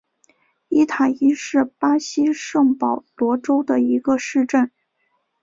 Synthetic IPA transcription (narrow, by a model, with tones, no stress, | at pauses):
i˥t̪ʰa˨˩i˥ʂɻ̩˥˩pa˥ɕi˥ʂɤ˥˩ŋpɑ˨˩ʊlwɔ˧˥ʈ͡ʂo˥ʊd̪ə˨i˧˥ɡə˧ʂɻ̩˥˧ʈ͡ʂə˥˩n